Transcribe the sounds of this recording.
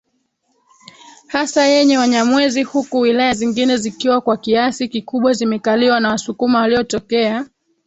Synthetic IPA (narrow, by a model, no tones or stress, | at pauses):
hasajɛɲɛwaɲamwɛzihukuwilajaziŋɡinɛzikiwakwakiasikikuɓwazimɛkaliwanawasukumawaliɔtɔkɛa